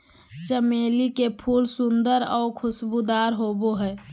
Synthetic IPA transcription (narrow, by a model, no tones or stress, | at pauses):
t͡ʃəmeːlikepʰuːlsʊnd̪əɾɔːkʰʊsbud̪aːɾɦoːboɦɛː